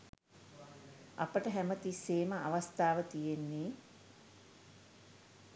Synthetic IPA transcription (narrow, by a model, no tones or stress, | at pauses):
ʔapəʈəɦæmət̪isːeːməʔaʋast̪aːʋət̪ijenːiː